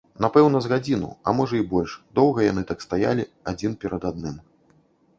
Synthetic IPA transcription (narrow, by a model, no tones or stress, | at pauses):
napɛwn̪ɐzɣad͡zʲinṵɐ̰mɔʐɐibɔlʲʂd̪ɔwɣɐjanɨt̪akst̪aja̰lʲiad͡zʲinpʲɛɾɐd̪ad̪̚nɨm